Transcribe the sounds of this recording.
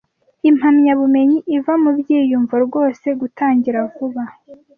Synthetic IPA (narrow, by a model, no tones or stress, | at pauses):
im̥hamɲaβume̞ɲiʔivamubɟiːjuɱvaɾɡwo̞ːse̞ɡutʰaːɲɟiɾakuβa